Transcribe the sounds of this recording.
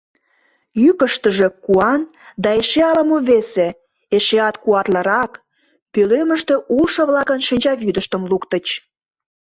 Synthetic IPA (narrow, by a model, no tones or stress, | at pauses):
jykəʃt̪əʒekuɑnd̪ɑeʃeɑlə̆moβese | eʃeɑt̪kuɑt̪lə̆ɾɑk | pølømə̆ʃt̪eʔulʃɤ̆βlɑkənʃinʲt͡ɕɑβyd̪əʃt̪əmlukt̪ət͡ɕ